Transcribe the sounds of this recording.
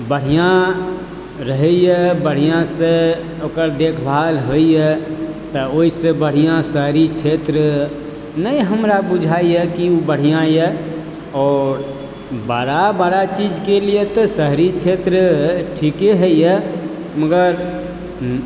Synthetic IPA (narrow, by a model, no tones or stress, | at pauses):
bəɽ̤ijã | ɾəɦɛjəbəɽ̤ijãse | okəɾd̪ekʰbʱalɦoijɛt̪ɔoisẽbəɽ̤ijãsəɦɾit͡ʃʰet̪ɾə | nəjɦəmɾabud͡ʒʱaijəkiubəɽ̤ijãjɛ | ɔːɾ | baɽabaɾat͡ʃid͡ʒkeliet̪ɔsəɦɾit͡ʃʰet̪ɾəʈʰikeɦəjjə | məɡəɾ